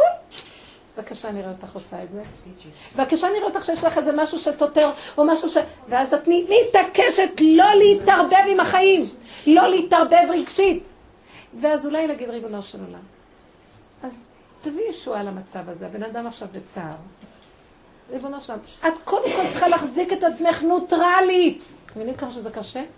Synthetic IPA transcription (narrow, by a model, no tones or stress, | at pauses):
vakaʃaniʁeot̪aχosaetzevakaʃaniʁeot̪aχʃejeɛʃlaχezemaʃuʃeso̞teʁomaʃuʃeveazatnimitakeʃetlo̞leitaʁbe̞vimaχajimlo̞leitaʁbe̞vʁiɡʃit | veazulajnaɡid̪ʁibonoʁʃelo̰la̰m | az | t̪avijeʃualamat͡savazebe̞nadamaχʃavbet͡sa̰ʁ | ʁibonaʃelamatkʰodemko̞ltt͡se̥χalaχziketat͡sme̞χnetʁalitmevinimkaχaʃezekaʃe